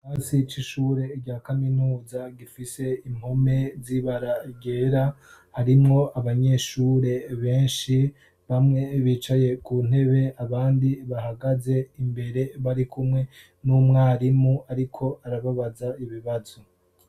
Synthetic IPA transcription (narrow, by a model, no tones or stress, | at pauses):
haːsit͡ʃiʃuːɾe̞ɟaːkaminuːzaɡifise̞im̥home̞ziβaɾaɟeːɾahaɾimŋo̞ʔaβaɲe̞ʃuːɾe̞βe̞ːnʃi | βamŋe̞βiːt͡ʃaje̞kun̥e̞βe̞aβaːndiβaɦaɡaze̞imbe̞ɾe̞βaɾikʰumŋe̞ | numŋaːɾimuaɾikʰo̞aɾaβaβazaiβiβazo̞